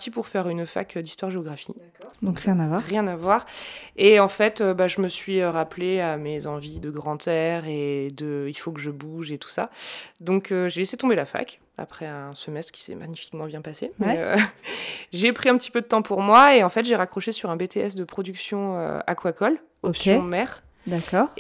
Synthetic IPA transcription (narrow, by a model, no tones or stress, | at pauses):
at̪ipuʁfɛʁynfa̰kd̪ist̪waʁʒeɔɡʁafi | d̪ɔ̃kʁjɛ̃navwaʁːjɛ̃navwaʁeɑ̃fɛt̪øbaʒəməsɥiøʁapleamezɑ̃vid̪əɡʁɑ̃t̪ʰɛʁed̪əilfokəʒəbuʒet̪u̥sa̰d̪ɔ̃kʰøʒeleset̪ɔ̃belafa̰k | a̰pχɛɛ̃səmɛst̪χkʲi̥sɛ̰mʔa̰ɲifi̥kmɑ̃bjɛ̃pasemɛø̰ | ʒepχiɛ̃pət̪i̥pød̪ət̪ɑ̃puʁmwaeɑ̃fɛt̪ʒeʁakχɔʃesyʁɛ̃bet̪eɛsd̪əpχɔd̪yksjɔ̃ø̰a̰kwakɔl | ɔpsɔ̃mɛʁ | d̪akɔʁ